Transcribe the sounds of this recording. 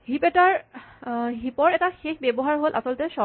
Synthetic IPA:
ɦipɛtaɹ | ɦipɔɹɛtaxexbɛbɔɦaɹɦolʔa̰sɔlɔtɛsɔ

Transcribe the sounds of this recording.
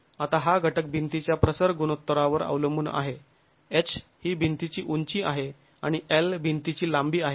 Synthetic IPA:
at̪aɦaɡʱəʈək̚bʱint̪it͡ɕjapɾəsəɾɡunot̪ːəɾaʋəɾa̰ʋləmbuːna̰ɦe | et͡ɕhiːbʱint̪it͡ɕiːʔuɲt͡ɕiːʔaɦe | aɽ̃ielbʱint̪it͡ɕiːlambiːaɦe

